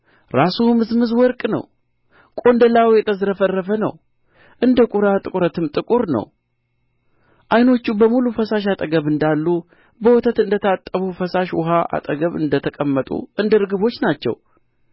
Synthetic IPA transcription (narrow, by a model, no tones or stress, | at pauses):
ɾasumɨzmɨzwɔɾkʼnə̰w | kʼo̞nd̪əlawjɛt̪ʰʼəzɾəfərːəfənə̰w | ʔɨnd̪əkʼuɾat̪ʼɨkʼuɾət̪ɨmt̪ʼɨkʼuɾnə̰w | ʔajno̞t͡ʃːubəmulufəsaʃat̪ʼəɡəβɨnd̪alːu | bəwɔt̪ʰət̪ɨnd̪ət̪ʰat̪ʼːəβufəsaʃwʊ̰ɦaʔa̰t̪ʼəɡəβɨ̰nd̪ət̪ʰəkʼəmːət̪ʼṵʔɨnd̪əɾɨɡɨβo̞t͡ʃːnat͡ʃːɛ̰w